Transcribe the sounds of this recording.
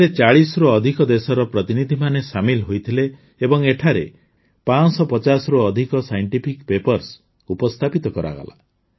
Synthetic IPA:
et͡ʃaɭisɔɾoɔd̪ʱikɔd̪esɔɾɔpɾɔt̪inid̪ʱimanesamilɦojt̪ʰileː | bɔŋeʈʰaɾe | pansɔpɔt͡ʃasɔɾuɔd̪ʱikɔsajɔɳʈipʰikpepɔɾs | upɔst̪ʰapit̪ɔkɔɾa̰ɡa̰la̰

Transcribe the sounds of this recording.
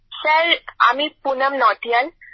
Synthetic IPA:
səɾa̰mipunəmnɔʈijal

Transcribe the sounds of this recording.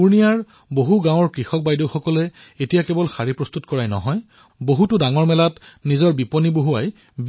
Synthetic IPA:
uɹnijaɹ | boɦuɡãw̃ɔɹkɹixɔk̚bajdoxɔkɔlɛ | etijakɛbɔlxaɹipɹɔst̪utkɔɹajnɔ̰ɦɔj | boɦutʊdaŋɔɹmɛlatnizɔɹbipɔniboɦuaj | b

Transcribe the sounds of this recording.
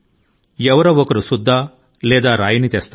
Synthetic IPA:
ɛʋɐɾɐɔkɐɾusud̪ʱːaː | lɛːd̪aːɾaːjɐnit̪ɛːst̪

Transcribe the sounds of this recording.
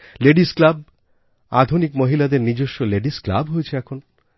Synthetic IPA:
leɖisklab̚ | a̰d̪ʱunikmoɦilad̪eɾnid͡ʑoʃːoleɖiskla̰bɦojet͡ɕʰeɛkʰon

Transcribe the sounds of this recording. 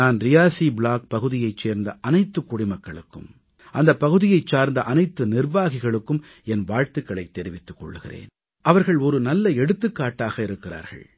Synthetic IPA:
aːnɾɪjaːsiːbɭaːk̚pɐɣɯðɪjɐɪt͡ʃːeːɾnd̪ɐʔɐnɐɪt̪ːɯkːʊɽɪmɐkːɐɭɯkːɯ̰m | ʔɐnd̪ɐpːɐɣɯðɪjɐɪt͡ʃːaːɾnd̪ɐʔɐnɐɪt̪ːɯnɪrʋaːɣɪɣɐɭɯkːɯm | ɛnʋaːɻt̪ɯkːɐɭɐɪt̪ːɛɾɪʋɪt̪ːɯ̥kːɔ̰ɭːɯɣɪ̰rḛːn | ʔɐʋɐɾɣɐɭɔɾɯnɐlːɐɛɽɯt̪ːɯkːaːʈːaːɣɐɪɾɯkːɪɾa̰ːɾɣɐ̰ɭ

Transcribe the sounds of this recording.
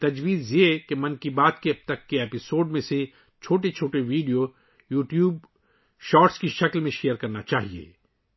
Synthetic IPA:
t̪ɐd͡ʒʋiːzjekemɐ̃nkibaːt̪keɐb̚t̪ɐkːeeːpɪsoːɖmẽse | t͡ʃʰoːʈet͡ʃʰoːʈeʋiːɖijo | juːʈjuːb̚ | ʃɔːɾʈskiʃɐklmẽʃejəɾkɐɾnat͡ʃaːɦiḛː

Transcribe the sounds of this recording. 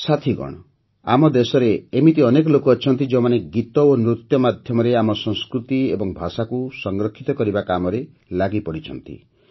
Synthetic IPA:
sat̪ʰiɡɔ̰ɽ̃ɔ | a̰mɔd̪esɔɾeːmit̪iɔnekɔlokuɔt͡ʃʰɔnt̪id͡ʒẽmaneɡit̪ɔonɾut̪jɔmad̪ʱjɔmɔɾeamɔsɔ̃ŋskɾut̪iḛbɔŋbʱasakusɔŋɡɾɔkʰːit̪ɔkɔɾibakamɔɾe | laɡipɔɽit͡ʃʰɔnt̪ḭ

